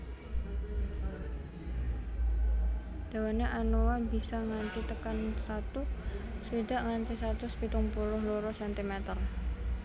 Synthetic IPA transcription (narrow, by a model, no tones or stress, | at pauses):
d̪̥a̤waneʔanowabisaŋant̪it̪əkansat̪usid̪a̤ʔŋant̪isat̪ʊspit̪uŋpulʊɦluɾɔsɛnt̪imɛt̪ər